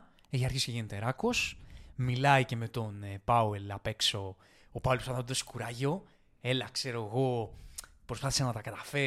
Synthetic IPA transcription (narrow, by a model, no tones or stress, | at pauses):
eçiɐɾçisceʝenet̪eɾɐko̞smilɐice̞me̞t̪o̞npɐwelɐpe̞kso̞ | opɐwlpsɐnot̪d̪oskuɾɐʝo̞ | e̞lɐkse̞ɾoeɣo̞ | pɾo̞spɐθisɐnɐt̪ɐkɐt̪ɐfe̞